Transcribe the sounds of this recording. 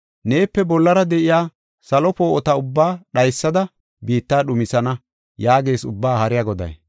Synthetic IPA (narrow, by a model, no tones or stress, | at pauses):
ne̞ːpːɛbɔlːɐɾɐd̪ɛʔɪjaː | sɐlɔpoːʔɔt̪ɐʊbːaːɗɐjsːɐd̪ɐ | biːt̪ːaːɗʊmɪsɐnɐ | jaːɡe̞ːsʊ̰bːaːhɐɾɪjaɡɔd̪ɐ̰j